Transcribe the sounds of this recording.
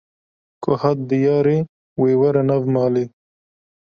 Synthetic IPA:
kʊhat̪̚d̪əjɑːɾe | wewaɾanavmɑːli

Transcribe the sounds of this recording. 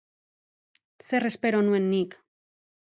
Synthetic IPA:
se̞re̞spe̞ɾo̞nue̞nːik

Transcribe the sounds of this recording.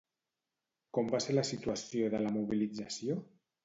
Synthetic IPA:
kombaselasit̪uasjoðəlamuβ̞ilid͡zasjo

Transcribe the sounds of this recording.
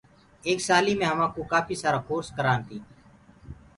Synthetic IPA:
eːksaːliːmẽːɦəʋãːkoːkaːpʰiːsaːɾaːkoːɾskəɾaːnt̪iː

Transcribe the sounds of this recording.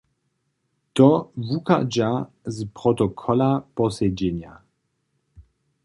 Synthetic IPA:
t̪ɔvuka̰d͡ʒa | zpʁɔt̪ɔkʰɔlapɔsɛd͡ʑɛɲa

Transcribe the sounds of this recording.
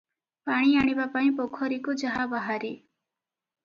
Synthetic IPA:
paɽ̃iaɽ̃ibapaĩpokʰɔɾikud͡ʒaɦabaɦaɾi

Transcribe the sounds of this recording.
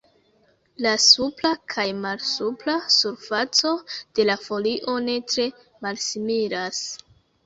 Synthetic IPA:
lasuplakʰajmalsuplasuɾfat͡so̞d̥e̞lafo̞liʔo̞ne̞tɾe̞ | malsimiɾas

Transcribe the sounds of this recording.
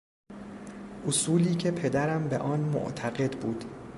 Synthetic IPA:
ʔosuːliːcʰe̞pʰe̞d̪æɾæmbe̞̰ʔɒːnmo̰ʔt̪ʰæɣe̞d̪buːd̪̥

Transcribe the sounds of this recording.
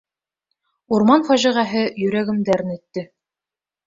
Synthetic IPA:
uɾmɑnfæʑiʁæɦɘjɵ̆ɾæɡɘ̆md̪æɾnɵ̆t̪ːɘ

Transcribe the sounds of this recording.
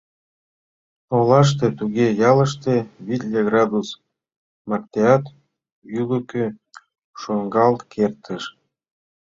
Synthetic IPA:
olɑʃ̬t̪et̪uɣejɑlə̆ʃt̪eβit̪ʲlʲeɡrɑd̪us | mɑkt̪ʲeɑt̪ | yləkø | ʃoŋɡɑlt̪kʰert̪əʃ

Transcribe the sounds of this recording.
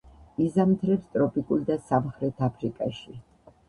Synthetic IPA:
izamt̪ʰɾɛpst̪ʼɾɔpʼikʼuld̪asamχɾɛt̪ʰapʰɾikʼaʃi

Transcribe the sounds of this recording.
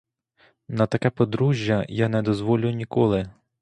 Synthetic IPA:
nɐt̪ɐkɛpɔd̪ɾuʒʲjɐjanɛd̪ɔzʋɔlʲʊnʲikɔlˠɪ

